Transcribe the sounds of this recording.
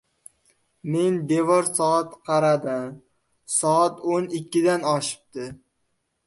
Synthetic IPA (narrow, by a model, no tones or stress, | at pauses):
me̞nd̪e̞vɒɾsɒat̪qʰɑɾad̪ɪm | sɒat̪onɪkʲːɪd̪anɒʃɪ̥p̚t̪ɪ